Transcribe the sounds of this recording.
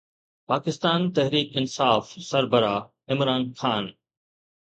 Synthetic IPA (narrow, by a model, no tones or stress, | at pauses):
paːkɪst̪aːnt̪ɐɦɾiːkɪnsaːfsɐɾbəɾaː | ɪmɾaːnxaːn